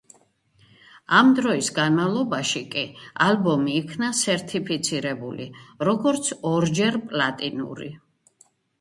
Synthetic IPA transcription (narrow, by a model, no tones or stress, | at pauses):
amd̪ɾɔisɡanmalˠɔbaʃikʼialbɔmiːkʰnasɛɾt̪ʰipʰit̪sʰiɾɛbulḭɾɔɡɔɾt̪sʰɔɾd͡ʒɛɾpʼlat̪ʼinṵɾḭ